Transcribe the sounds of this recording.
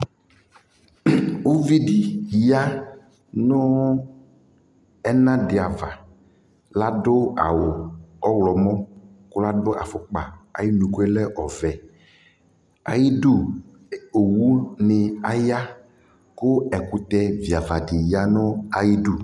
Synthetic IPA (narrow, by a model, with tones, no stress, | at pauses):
ʊ˦vi˦dɪ˨˦a˦ | nʊ˦ | ɛ˦nã˦dɪ˨a˨va˨ | la˦dʊ˦a̰˨wʊ˨ɔ˦wlɔ˨mɔ̃˦kʊ˦la˦dʊ˦ʔa̰˨fʊ˨k͡pa̰˨a̰˨ji˦nũ˨ku˦ɛ˦lɛ˦ʔɔ˨vɛ˨ | a̰˨ji˦du˦ | o˨wu˦nɪ˨a˨ja˦ | kʊ˦ɛ˨kʊ˨t̪ɛ˦vi˨a˨va˨dɪ˨ja˦nʊ˦a˨ji˦du˦